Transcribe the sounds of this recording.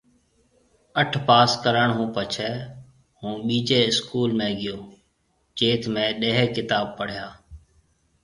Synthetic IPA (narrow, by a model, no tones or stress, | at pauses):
əʈʰpaːskəɾəɳɦũːpət͡ʃʰɛː | hũːɓiːd͡ʒeːɪskuːlmẽːɡɪjoː | t͡ʃeːt̪ʰmẽːɗeːɦɛːkɪt̪aːb̚pəɽ̤jaː